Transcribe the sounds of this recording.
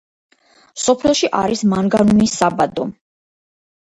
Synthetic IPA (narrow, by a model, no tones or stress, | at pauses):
sɔpʰɛlˠʃiʔaɾismaŋɡanunisabad̪ɔ